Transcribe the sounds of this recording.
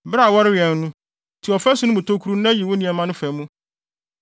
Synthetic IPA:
bɾa˨wɔ˦ɾɪ˦ɥɪ˨ɛ˨n˦nũ˦ | tʰi˨ɔ˨fɛ˦sʊ˦nʊ̃˦mũ˨tʰo˦kʰu˦ɾu˦nã˦ji˨wʊ˦nĩ˨ɛ˨mã˦nʊ̃˦fæ˨mũ˦

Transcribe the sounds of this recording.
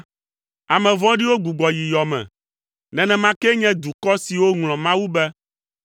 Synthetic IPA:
a˨mɛ̃˨vɔ̃˦ɖi˦wo˦ɡ͡bu˨ɡ͡bɔ˨ji˨jɔ˨mɛ̰̃˨ | nɛ̃˨nɛ̃˨mã˦kɛ˦ɲɛ̃˦d̪u˨kɔ˦si˨wo˦ŋlɔ̃˨mã˦wu˦bɛ˦

